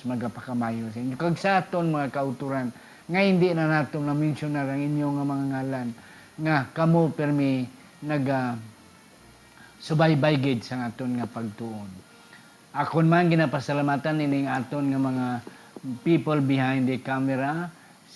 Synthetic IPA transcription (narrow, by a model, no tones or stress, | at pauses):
maɡapakamaːjosainjokaɡsaaːt̪onmaŋakaʊt̪uɾan | ŋahɪnd̪ɪʔnanaːt̪oŋnamɪnsʊnaɾaŋʔɪnjoŋamaŋaŋaːlan | ŋakamopɛɾmɪ | naɡa | sʊbajbajɡɪd̪saŋaːt̪onŋapaɡ̚t̪uʔon | ʔakonmanɡɪnapasalamat̪anːinɪŋaːt̪onŋamɐŋa | pipəlbɪɦãjnd̪ɪkamɛɾa